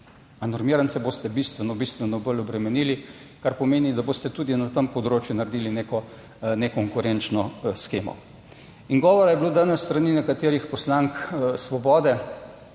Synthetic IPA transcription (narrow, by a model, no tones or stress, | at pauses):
anɔɾmiːɾansɛboːst̪ɛbist̪ʋɛnɔbist̪ʋɛnɔbəlɔbɾɛmɛniːli | kaɾpɔmeːnid̪aboːst̪ɛt̪uːd̪inat̪əmpɔd̪ɾoːt͡ʃjunaɾd̪iːlineːkɔ | nɛkɔŋkʊɾɛnt͡ʃnɔsxeːmɔ̰ | iŋɡɔːʋɔɾajɛbloːd̪anɛsst̪ɾaninɛkat̪eːɾixpɔslaŋksʋɔbɔːd̪ɛ